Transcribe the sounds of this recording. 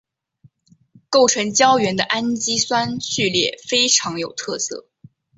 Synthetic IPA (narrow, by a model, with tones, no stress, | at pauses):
ko˥˩ʊʈ͡ʂʰɤ˧˥ŋt͡ɕjɑ˥ʊɥɛ˧˥nd̪ə˧ʔa˥nt͡ɕi˥swa˥nɕy˥˧ljɛ̰˥˩fe˥ɪʈ͡ʂʰɑ˧˥ŋjo˨˩ʊt̪ʰɤ˥˧sɤ̰˥˩